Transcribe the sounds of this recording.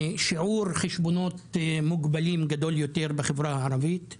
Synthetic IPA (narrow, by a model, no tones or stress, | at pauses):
ʃiʕuɾχeʃbono̞t̪muɡbalimɡad̪o̞ljot̪eʁbeχevɾahaʕaɾavit̪